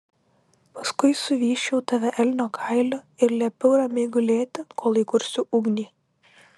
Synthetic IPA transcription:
pɐskʊɪsʊʋʲiːʃʲɛʊt̪ɐʋʲɛʔɛlʲnʲoːkʰɑɪlʲoːɪɾlʲɛpʲɛʊɾɐmʲeːɡʊlʲeːt̪ʲɪkoːlˠɐɪkʊɾʲsʲʊʊɡnʲiː

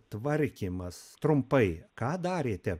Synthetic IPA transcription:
t̪ʋɐrʲkʲiːmɐst̪ɾʊmpɐɪkɑːd̪ɑːɾʲiːt̪ʲɛ

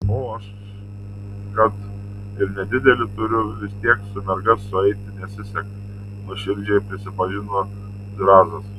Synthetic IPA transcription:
oːɐʃ | kɐt̪ | ɪɾnʲɛd̪ʲɪd̪ʲɛlʲɪt̪ʊɾʲʊʋʲɪst̪ʲiɛksʊmʲɛɾɡɐsːʊɛɪt̪ʲɪnʲɛsʲɪsʲɛk̚ | noʃʲɪɾʲd͡ʒʲɛːɪpʲɾʲɪsʲɪpɐʒʲɪnoː | ɡɾɑːzɐs

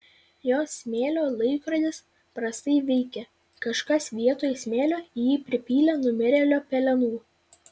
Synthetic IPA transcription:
joːsʲmʲeːlʲoːlˠɐɪkɾɐd̪ʲɪs | pɾɐst̪ɐɪʋʲɛɪkʲɛ | kɐʃkɐsʋʲiɛt̪oːjɪsʲmʲeːlʲoːjiːpʲɾʲɪpʲiːlʲɛnʊmʲɪɾʲɛlʲoːpʲɛlʲɛnuː

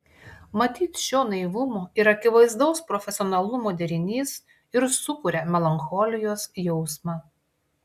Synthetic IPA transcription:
mɐt̪ʲiːt̪ʃʲoːnɐɪʋʊmoːɪɾɐkʲɪʋɐɪzd̪ɐʊspɾɔfʲɛsʲɪɔːnɐlˠʊmoːd̪ʲɛɾʲɪnʲiːs | ɪɾsʊkʊɾʲɛmʲɛlˠɐŋxɔːlʲɪjoːsjɛʊsmɑː

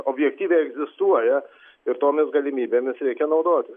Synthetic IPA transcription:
obʲjɛkt̪ʲiːʋʲeɛɡzʲɪst̪uɔjɛ | ɪɾt̪oːmʲɪsɡɐlʲɪmʲiːbʲeːmʲɪsɾʲɛɪkʲɛnɒʊd̪oːt̪ʲɪ

